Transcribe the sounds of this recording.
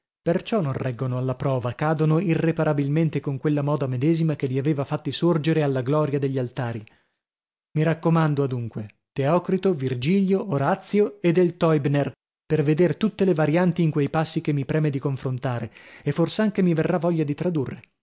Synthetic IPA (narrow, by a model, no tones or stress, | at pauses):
pert͡ʃɔnːõnrɛɡːonoalːapɾɔːvakaːd̪onoirːepaɾabilment̪ekoŋkwelːamɔːd̪amed̪ɛːzimakelːiaveːvafat̪ːisord͡ʒeɾealːaɡlɔːɾjad̪eʎːialt̪aːɾi | miɾakːomand̪oad̪uŋkwe | t̪eɔːkɾit̪ovird͡ʒiʎjoːɾat̪sːjoed̪ːelt̪ɔjbner | perved̪eɾt̪ut̪ːelevaɾjant̪iːŋkwejpasːik̟emːipɾɛːmed̪ikoɱfɾont̪aːɾeefːorsaŋkemiverːavɔʎːad̪it̪ɾad̪urːe